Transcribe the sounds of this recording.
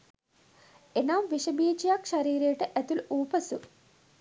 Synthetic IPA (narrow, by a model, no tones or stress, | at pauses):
enaːmʋiʂɐbiːd͡ʒijaːkʃɐɾiːɾeːʈɨʔɐt̪uluːpɐsu